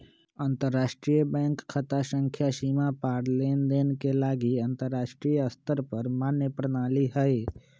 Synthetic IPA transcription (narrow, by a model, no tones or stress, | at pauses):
ənt̪əɾːaːʃʈɾijəbɛ̃ːŋkkʰːət̪aʃə̃ŋkʰjaʃimapaːɽleːnd̪eːnkelaːɡiə̃nt̪əɾːaːʃʈɾijəst̪əɾpəɾmaːnjəpɾənaːliɦəe